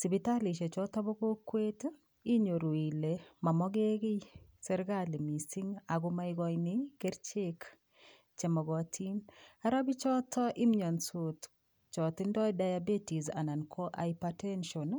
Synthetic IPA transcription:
si˨bi˨ta˦li˨ʃe˨t͡ʃɔ˦ta˦bɔ˦ko˦kːwe˦t | i˦ɲo˨ɾo˨i˨le˨ma˨mɔ˦ɡe˦ɡɪ˦sɛ˦ɾɡali˨mi˨si˦ŋa˨ɡʊma˦iɡɔ˦jnɪɡ̥e˦ɾt͡ʃe˦k | t͡ʃɛ˨mɔ˨ɡɔ˨tʰi˦na˦ɾa˦bi˦t͡ʃɔ˦tʰɔ˦ʔi˦mɲɔ˨nso˨t | t͡ʃɔ˨tɪ˦ndɔ˦dajabe˦ti˨za̰˨na˨nkʰɔ˦ʔajpatɛ˦nʃɔ˨n

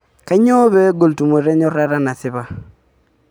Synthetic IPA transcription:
ka˦ɲɔ˦βɛ˦ɡo˨ltu˨m˨e˨ɾe˦ɲɔ˦ɾa˦ɾa˦na˨sɪ˦βa˦

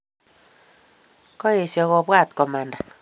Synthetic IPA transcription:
kɔ˦e˨sjɔ˨ɣɔ˨bwa˦˨t̪kɔ˨ma˨nda˨

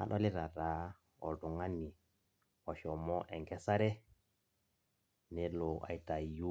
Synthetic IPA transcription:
a̰˨ɗo˦li˦ɾa˨ɾa˨˦ | o̰˨ldu˨ŋa˦nːi˨ | o˨ʃɔ˨mɔ˦ʔɛ˨ŋkɛ˦sa˦ɾɛ˦ | nɛ˦lo˨a̰˨jta˨ju˦

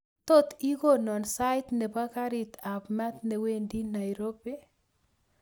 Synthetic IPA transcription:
t̪o˦t̪i˦ko˦nɔ˨nsa˦ɪ˦t̪nɛ˨ba˦ka˦ɾɪ˨t̪ʰa˨pmɛ˦t̪ne˨we˦˨ndi˦na˨jɾo˦bi˦

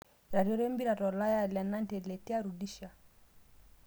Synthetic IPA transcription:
ɾa˨ɾjɔ˦ɾɛ˦mbi˦ɾa˨ɾɔ˨la˦ja˦˨lɛ˨na˦ntɛ˨lɛ˨ti˦a˦ɾu˨di˦ʃa˨

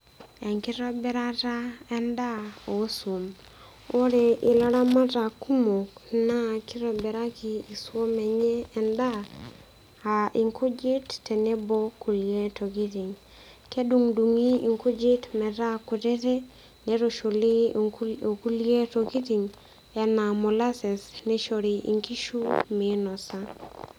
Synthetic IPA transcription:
ɛ˨ŋkɪ˦ɾɔ˦bɛ˨ɾa˦ta˦ɛ˦nda˦o˨˦so˨m | o˦ɾe˨ʔɪ˨lɔ˦ɾa˦ma˦ta˨ku˦mo˨kna˦ki˦ɾɔ˨bɛ˨ɾa˦ki˨i˨swo˦mɛ˨ɲɛː˦˨nda˦ | a˨ʔi˨ŋku˦d͡ʒi˦tːɛ˨nɛ˦bo˦ku˨lije˦to˨ɡi˦ti˨ŋ | kɛ˦du˦ŋdu˨ŋi˦˨ŋku˦d͡ʒɪ˦tmɛ˨ɾa˦kʊ˨tɛ˦tɛ˦ | nɛ˨ɾo˨ʃo˨lɪ˦o˨ku˦lje˦to˨ɡi˦ti˨ŋ | ɛ˨na˨mɔ˨la˦sɛ˨snɛ˦ʃo˨ɾe˨ʔḭ˨ŋki˦ʃu˦me˨nɔ˨sa˦

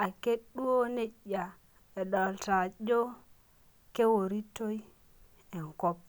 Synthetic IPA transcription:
a˨ke˦ɗːu˦wo˦ne˦ɗːa˨ | e˨ɗɔ˨lta˨d͡ʒo˦ | ke˦wo˨ɾi˦tːo˦j | ɛ˨ŋkɔ˦p̚

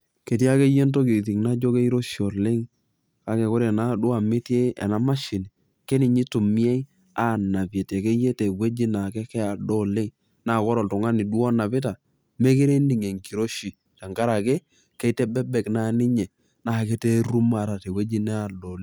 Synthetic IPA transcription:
ke˨t̬i˦a˦ke˦je˦nto˦ki˨t̬i˨ŋna˦d͡ʒo˦ke˦i˦ɾo˦ʃi˨ɔ˨lɪ˦ŋ | ka˦kɛ˨ko˦ɾe˨na˦du˦a˨mɪ˦te˦ɛ̰˨na˦ma˦ʃɪ˨ni˨ | ke˦nɪ˨ɲi˦tu˨mi˦ɛ˦i˦ | a˦˨na˨pɛ˨te˨ke˦je˦te˨we˦d͡ʒi˦na˨kɛ˦kɛ˦a˨dɔ˦lɪ˦ŋ | na˨kɔ˦ɾɔ˨ltʊ˨ŋa˦ni˨du˦ɔ˦na˨pɪ˦ta˨ | me˦ke˦ɾe˦ni˨ŋe˨ŋki˨ɾo˦ʃi˨ | ta˨ŋka˦ɾa˨ke˦ | kɛ˦tɛ˦bɛ˦bɛ˨kna˦nɪ˦ɲɛ˨ | na˦˨ke˦te˦ɾu˦ma˨ɾa˨te˨we˦d͡ʒi˦nɛ˦a˨do˨le˦

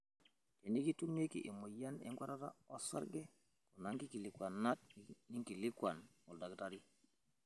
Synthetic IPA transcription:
ke˨ni˦ki˦tu˦nː˦e˦kḭ˨ʔi˨mo˨ja˦nḛ˦ŋɡʷwa˦ɾa˦ta̰˦o˦sa̰˦ɾɡe˦ | ku˨na˦ŋki˦ki˨li˨kwa˨nːa˦t̚ni˦ŋki˨li˦kwa˨n | u˨lda˨kta˦ɾi˦

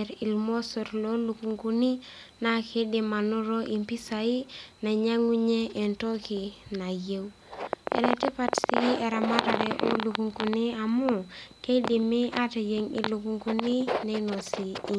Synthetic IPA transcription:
ɾi˨lmo˦so˨ɾlo˦lu˨ku˨ŋku˦ni˦ | na˦kʰi˦di˦ma˨nu˦ɾo˦ʔi˨mpi˦sa˨i˦na˨ɲa˦ŋi˦ɲeː˦˨nto˦ki˨na˨je˦w | ḛ˨ne˨te˦pa˦tsi˦e˨ɾa˨ma˦ɾaɾeʔo̰˦lu˨ku˨ŋku˦ni˦a˨mu˦ke˦di˨mi˦ʔa˦te˨je˦ŋḭ˨lu˨ku˦ŋku˦ni˦ne˦i˦no˨si˨˦

